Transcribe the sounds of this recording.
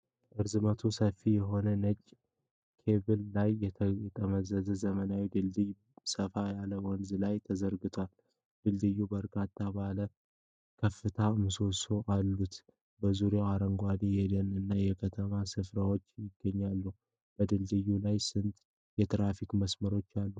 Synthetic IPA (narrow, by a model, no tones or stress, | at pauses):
ʔɨɾzɨmət̪ʰusəfijɛɦo̞nənət͡ʃʼ | kʰe̞bɨlːajːɛɛt̪ʼəməzəzəzəmənawid̪ɨld̪ɨj | səfajaləwɔnzɨlajt̪ʰəzəɾɡɨt̪ʰoal | d̪̥ɨld̪ɨjːubəɾkʰat̪ʰːabalə | kʰəfːɨt̪ʰamɨso̞soʔalːut̪ | bəzuɾeaɾəŋɡʷad̪ijɛd̪ənɨnːajɛkʰət̪ʰəmasɨfɾawot͡ʃːjɪɡːəɲːalːu | b̥əd̪ɨld̪ɨjːulajsɨnt̪ʼ | jɛt̪ɾafikməsməɾo̞t͡ʃːalːu